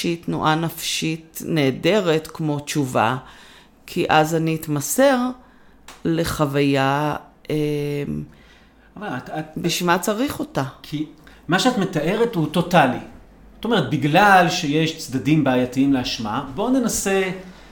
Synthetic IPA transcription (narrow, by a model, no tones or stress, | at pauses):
ʃitnṵʔanafʃitne̞ːde̞ʁetkmo̞t͡ʃuva̰ | kʰiʔazaniːt̪mase̞ʁ | le̞χavajaem | vaatabiʃmat͡saʁiχo̞takʰimaʃeatmet̪ae̞ʁethuto̞tali | ot̪ome̞ʁet̪̚biɡlalʃeje̞ʃt͡sd̪adimbeajatiimleaʃmabo̞nenase̞